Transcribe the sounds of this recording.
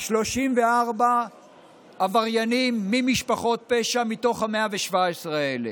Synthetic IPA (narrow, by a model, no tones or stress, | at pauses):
ʃlo̞ʃimveaʁba | avaʁjanimːimiʃpaχo̞t̚peʃamit̪o̞χhameaveʃvaesʁeele